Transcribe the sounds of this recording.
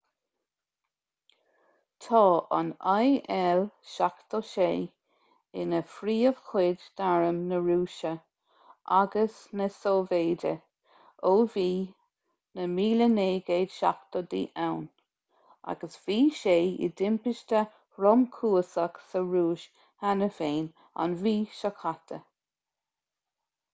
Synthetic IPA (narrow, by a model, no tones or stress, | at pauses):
t̪ʰɔːʔa̰najɛlʃakt̪ɔʃeː | ɪ̰nəfɾiːəv̥kʰɪdd̪aɹəmnəɹuːʃə | ʔa̰ɡəsnəsoːveːdə̰ | oːviː | nəmiːləneːɡeːd̥ʃa̰kt̪ɔd̪ḭːʔawn | a̰ɡəsv̥iːʃeːɪ̰d̪ɪmpɪʃt̪ə | ɾɔmkʰuːsəksəɹuːʃ | hanəfeːn | a̰nviːʃakʰat̪ʰə